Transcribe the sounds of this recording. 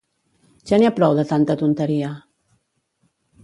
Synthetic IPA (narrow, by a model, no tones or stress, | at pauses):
ʒaniapɾɔwðət̪ant̪ət̪unt̪əɾia